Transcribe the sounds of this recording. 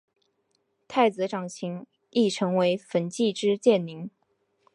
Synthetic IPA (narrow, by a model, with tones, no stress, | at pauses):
t̪ʰa˥˩ɪt͡sɹ̩˧˥ʈ͡ʂɑ˨˩ŋɕʰi˧˥ŋ | i˥˩ʈ͡ʂʰɤ˧˥ŋwe˧˥ɪfə˧˥nt͡ɕi˥˧ʈ͡ʂɻ̩˥t͡ɕjɛ˥˩nli˧˥ŋ